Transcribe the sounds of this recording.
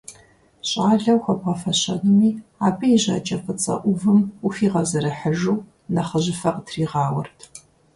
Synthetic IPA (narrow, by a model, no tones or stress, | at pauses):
ɕʼaːɮɐwxʷɐbʁɐfɐɕɐnɨmiːaːpʰɨiʑɐ̰ːt͡ʃʼɐfɨt͡sʼɐ̰ʔʷʊvɨmufiːʁɐzɐɾɐħəʒuw | nɐχəʑɪfɐqtʰriːʁɑːwɐ̰rtʰ